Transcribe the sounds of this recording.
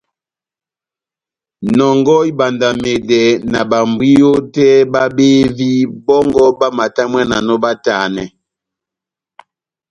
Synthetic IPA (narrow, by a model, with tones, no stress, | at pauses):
nɔ˨ŋɡɔ˦i˦ba˨nda˨me˨dɛ˨na˨ba˨mbi˦jo˦tɛ˦ba˦be˦vi˦bɔ˦ŋɡɔ˦ba˦ma˨ta˦mwɛ˦na˨nɔ˦ba˦taː˨nɛ˨